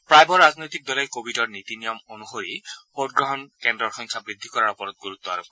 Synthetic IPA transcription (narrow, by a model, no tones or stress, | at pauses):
pɾajbɔɾaznojt̪ik̚d̪ɔlekobʱidɔɹnit̪inijɔmonuhoɾihod̚ɡɾɔɦɔnkendɾɔɹxɔ̃ŋkʰabɾid̪ʱːikɔɾaɾɔpɔɾɔt̪̚ɡuɾut̪ːɔa̰ɾop